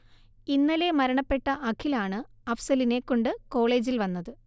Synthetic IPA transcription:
inːɐle̞mɐɾɐɳɐpːe̞ʈːɐʔɐkʰːilaːɳɨɐfsɐline̞kːo̞ɳɖɨko̞ːɭe̞ːd͡ʑilʋɐnːɐðɨ

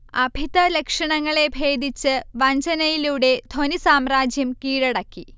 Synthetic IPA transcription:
ɐbʱiðɐlekʂɐɳɐŋːɐɭe̞bʱe̞ːd̪it͡ɕːɨʋɐɲd͡ʑɐnɐjiluɽe̞d̪ʱo̞nisaːmraːd͡ʑjɐmkiːɻɐɽɐkːi

